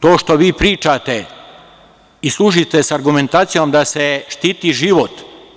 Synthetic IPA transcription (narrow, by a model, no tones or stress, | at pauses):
t̪oːʃt̪oʋiːpɾiːt͡ʃat̪e | islˠuʒit̪esaɾɡume̞nt̪aːt̪sijomd̪aseʃt̪iːt̪iʒiʋot̪